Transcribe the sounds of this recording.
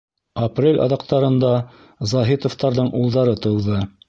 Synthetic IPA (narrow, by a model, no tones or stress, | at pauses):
ɐprʲelʲɑ̰ðɑqt̪ɑɾɤ̆nd̪ɑ | zɑɦit̪ŏft̪ɑɾðɤɴʔulˠd̪ɑɾɤt̪ɤ̆wðɤ